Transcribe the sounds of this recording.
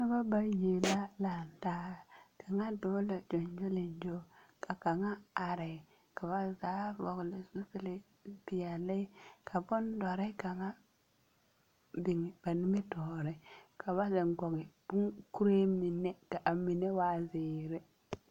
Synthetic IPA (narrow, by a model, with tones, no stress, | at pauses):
na˦ba˦ba˨je˨la˦la˨n˨ta˦˨kʰa˨ŋa˦do˦la˨d͡ʒo˨nd͡ʒo˦li˨nd͡ʒo˦kʰa˨ka˨ŋa˦a˨ɾɛ˨ | ka˨ba˦za˨˦vɔ˨ɡlɪ˨zu˦pi˨lɪ˨ | pi˨ja˨li˦kʰa˨bʊ˦nda˨ɾɛ˦ka˨ŋa˦ | bi˨ŋ˨b̥a˨ni˦me˦tɔ˨ɾɛ˦kʰa˨ba˦ze˨ŋɡo˨ɡɪ˨b̥u˦ku˦ɾe˦mi˨nːe˦ka˨ʔa˨mi˨ne˦wa˦zɪː˨ɾe˦